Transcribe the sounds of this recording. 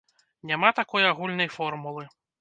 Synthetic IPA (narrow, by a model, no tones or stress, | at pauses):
nʲamat̪akɔjaɣulʲnɐjfɔrmulˠɨ